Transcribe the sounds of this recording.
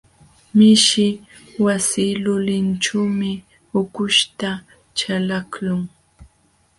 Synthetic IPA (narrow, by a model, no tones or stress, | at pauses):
mɪʃɪ | wasiːlʊlɪnt͡ʃawmɪ | ʊkʊʃt̪a | t͡ʃalaklʊŋ